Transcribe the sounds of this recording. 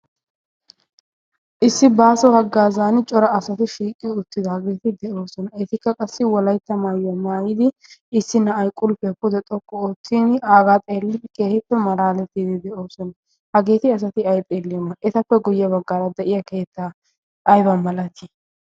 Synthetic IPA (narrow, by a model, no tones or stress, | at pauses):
ʔɪsːɪbaːsɔhɐɡːaːzaːnt͡ʃʼɔɾɐɐsɐt̪ɪʃiːkʼːɪʊt̪ːɪd̪ɐhɐɡeːt̪ɪd̪ɛʔo̞ːsɔnɐɛt̪ɪkːɐkʼɐsːɪwɔlɐjt̪ːɐmaːjɔmaːjɪd̪ɪɪsːɪnːɐːjkʼʊlpɛkʊd̪ɛt̪ʼɔkʼːɔoːt̪ːinaːɡaːt̪ʼe̞ːlːɪfkeːhɪpːɛmɐɾaːlɛt̪ːiːd̪ɪd̪ɛʔo̞ːsɔnɐ | hɐɡe̞ːt̪ɪɐs̬ɐt̪ɪɐjt̪ʼeːlːɪjɔmɐʔɛt̪ɐpːɛɡʊjːɐbɐɡːaːɾɐd̪ɛʔɪjɐkeːt̪ːɐ | ʔɐjbɐmɐlɐt̪ʰi